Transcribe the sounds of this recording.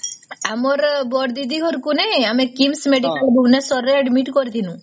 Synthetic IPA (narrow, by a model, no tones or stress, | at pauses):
amɔɾbɔɽd̪id̪iɦɔɾkuneamekimsmeɖikalbʱuɡnesɔɾɾeɛɖmiʈkɔɾit̪ʰinũ